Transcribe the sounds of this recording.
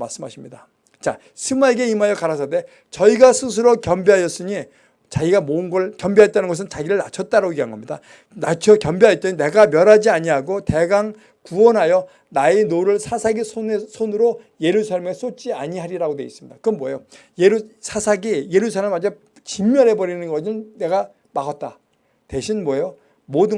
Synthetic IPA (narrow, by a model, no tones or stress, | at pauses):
maɭs͈ɯmɦa̰ɕʰimɲida | t͡ɕa | sʰɯmaeɡeimajʌkaɾasʰade̞ | t͡ɕʌiɡasʰɯs̬ʰɯɾokjʌmbeɦajʌs͈ɯɲi | t͡ɕaɡiɡamoɯnɡʌɭkjʌmbiaet͈anɯnŋɡʌs̬ʰɯnt͡ɕaɡiɾɯɭna̰t͡ɕʰʌt̚t͈aɾaɡoiɦanɡʌmɲida | nat͡ɕʰʌkjʌmbiɦajt͈ene̞ɡamjʌɾɦad͡ʑiaɲiɦaɡote̞ɡaŋ | kuʌnɦajʌ | naenoɾɯɭsʰasʰaɡisʰonsʰonɯɾo | je̞ɾusʰaɭme̞s͈ot̚t͡ɕ͈iaɲiɦaɾiɾaɡodeis͈ɯmɲid̥akɯnmwʌjojeɾusʰasʰaɡije̞ɾusʰaɭmad͡ʑa | t͡ɕimːjʌɾe̞bʌɾinɯnɡʌɯnne̞ɡa | maɡʌt̚t͈a | te̞ɕʰinmwʌjo | modɯ